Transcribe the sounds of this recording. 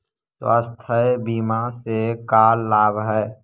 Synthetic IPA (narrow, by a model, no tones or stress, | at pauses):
swa̰ːst̪ʰəebiːmasekaːlːaːbɦɛː